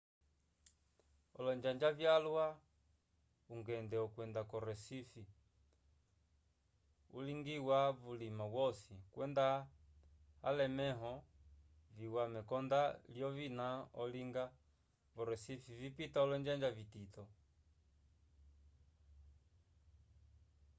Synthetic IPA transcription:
ɔlɔɲd͡ʒaɲd͡ʒavjalwa | uŋɡɛndɛɔkwɛndakɔɾɛsifi | uliŋɡiwavulimawɔsikwɛnda | a̰lɛmɛɦɔ | viwamɛkɔndaljɔvinaɔliŋɡa | vɔɾɛsifivipitaɔlɔɲd͡ʒaɲd͡ʒavititɔ

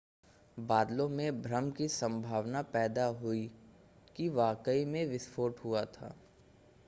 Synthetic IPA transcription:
baːd̪lõmẽbʱɾəmkisə̃mbʱaːʋnapɛːd̪aɦʊi | kiʋaːkəimẽʋɪspʰoːʈɦʊat̪ʰa̰ː

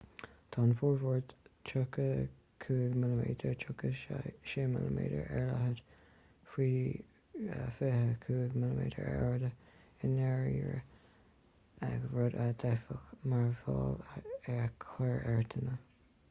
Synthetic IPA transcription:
t̪ʰɑːnfɔːɹvɔɹdtʰʊkə | kʰuːɡmɪləmeːdəɹtʰɹʊkəʃʃeːmɪləmḛːdə̰ɹɛɹlaɦəd | fɹiː | fehəkʰuːɡmɪləmḛːdə̰ɹɛɹdəɪnɛɹiɹə | aɡɹɔdad̪ɛfəxmaɹvɑːlɛɹkʰlɛɹɛɹt̪ʰənə

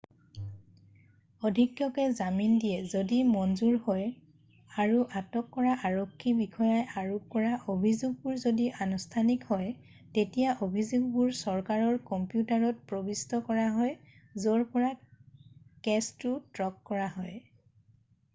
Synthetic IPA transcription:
ɔdʱikjɔkɛzamindijɛzodimɔnzuɹhɔj | aɹuʔatɔkːɔɹaʔaɹɔkʰːibikʰɔjajʔaɹupɔɹaʔobʱizuɡ̚buɹzodiʔanustʰanikhɔj | tetijaʔobʱizuɡ̚buɹsɔɹkaɹɔɹkɔmpjutaɹɔt̚pɹɔbistɔkɔɹaɦɔj | zɔɹpɔɹa | kɛstutɹɔkːɔɹaɦɔj

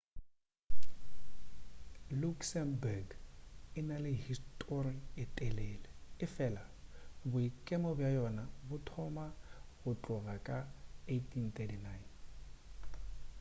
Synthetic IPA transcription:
luksɛnbaɡɪnalɪhistʼɔriɪtʼɛlɛlɛɪfɛlabʊikʼemɔbjajɔnabʊtʰɔmaɣʊt͡ɬʼʊɣakʼaetʰʼint̪ɛtinajn

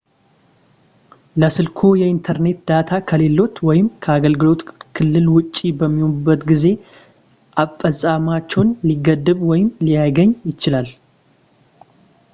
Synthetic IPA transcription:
ləsɨlkʰo̞jɛint̪ʰəɾne̞t̪d̪̥at̪ʰakʰəle̞lːo̞t̪wɔjɪmkʰəaɡəlɡɨlo̞t̪kʰɨlːɨlwʊt͡ʃʼːibəmːihonbːət̪ɡize̞ | ʔafəsʼamat͡ʃːɛwnliɡəd̪ːɨβwɔjɪmlijajɡəɲːjɪt͡ʃɪlal

